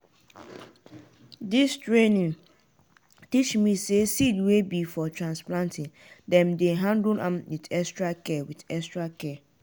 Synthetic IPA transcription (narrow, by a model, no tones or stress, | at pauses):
dɪstʰɹẽnɪ̃ŋ | tit͡ʃmĩsesidwebifɔtʰɹãnsplãntʰɪ̃n | dɛ̃mdeɦãndʊlãmwitɛstʰɹakʰɛwɪdɛstɹakʰɛː